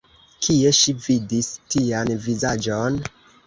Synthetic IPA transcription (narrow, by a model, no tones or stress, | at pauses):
kʰie̞ʃividistianvizad͡ʒon